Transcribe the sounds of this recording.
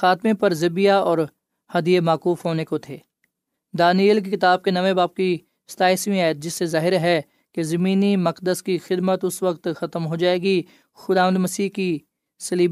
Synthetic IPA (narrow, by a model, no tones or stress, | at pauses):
xaːt̪mẽpɐɾzɐbijaɔːɾ | hɐd̪ijemaːkuːfɦoːnekot̪ʰeː | d̪aːniəlk̬ikɪt̪aːb̚kenɐʋebaːb̚ki | st̪aːɪsmĩaːjət̪̚d͡ʒɪsːezaːɦɪɾɦɛ | kezɐmĩːnimɐqd̪əskixɪd̪mət̪ʊsʋɐkt̪xɐt̪əmɦod͡ʒaːeːɡi | xʊd̪aːʋənd̪mɐsiːki | sɐliːb